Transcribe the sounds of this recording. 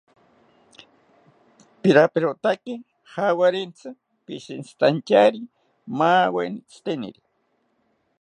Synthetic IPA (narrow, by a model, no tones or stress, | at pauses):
piɾapeɾot̪akɪ | hawaɾent͡sa | piʃint͡st̪ant͡ʃaɾi | maːwḛnit͡st̪enḭɾi